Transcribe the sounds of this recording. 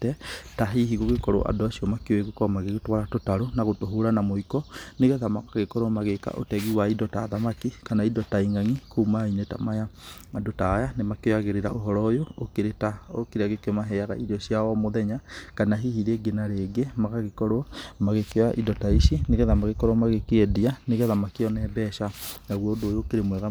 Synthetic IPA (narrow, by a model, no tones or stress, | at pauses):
tɛtaɦiɦiɣoɣekɔɾo̰ʔa̰doasiɔmakeoeɣekɔɔmaɣeɣetwaɾatotaɾonaɣotoɦoɾanamoikɔneɣɛðamakaɣekɔɾomaɣeka̰ʔo̰tɛɣiwaidɔtaðamakikanaidɔtaiŋaŋikumaineta̰maja | adotajanemakojaɣeɾeɾa̰oɦɔɾɔjoːkeɾetaokeɾeaɣekemaɦɛaɣa̰iɾiɔɕjawɔmoðɛɲakanaɦihiɾeɡenaɾeɡemaɣaɣekɔɾomaɣekewaʔidɔtaiʃineɣɛðamaɣekɔɾɔmaɣekeɛdianeɣɛðamakiɔnɛbɛʃanaɣwɔodoːjoːkeɾemwɛɣa